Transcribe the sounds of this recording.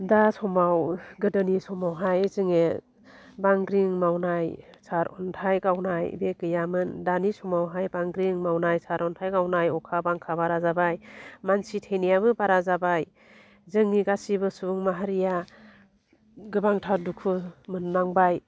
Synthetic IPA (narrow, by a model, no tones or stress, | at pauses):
dasɔmawɡɯdɯnisɔmawɦajzɯŋe | baŋɡɾiŋmawnajsaɾɔ̰ntʰajɡawnajbekɯjamɯndanisɔmawɦajbaŋɡɾiŋmawnajsaɾʔɔntʰajɡawnajɔkʰabaŋkʰabaɾazabajmansitʰenijaβɯbaɾazabaj | zɯŋːiɡasibɯsuŋmaɦaɾija | ɡɯbaŋtʰadukʰumɯnːaŋbaj